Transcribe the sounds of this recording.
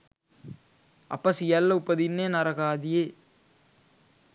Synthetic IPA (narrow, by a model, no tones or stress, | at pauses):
ɐ̰pːɐsijɐlːɐʊpːɐðinːeːnɐɾɐɣaːðɪjeː